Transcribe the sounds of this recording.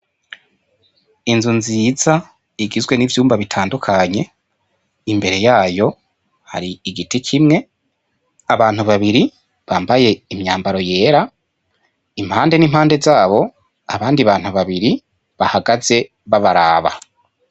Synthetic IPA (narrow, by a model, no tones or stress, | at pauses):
inzunziza | iɡizɡwe̞nivjuːmbaβitʰaːndukʰaɲe̞ | imbe̞ɾe̞jaːjo̞ | ha̰ɾiːɡitikʰimŋe̞ | aβaːn̥uβaβiɾi | βaːmbaje̞imɲaːmbaɾo̞je̞ːɾa | im̥haːnde̞niːmhaːnde̞zaːβo̞ | aβaːndiβaːn̥huβaβiɾi | βahaɡaze̞ | βaβaɾa̰ːβa̰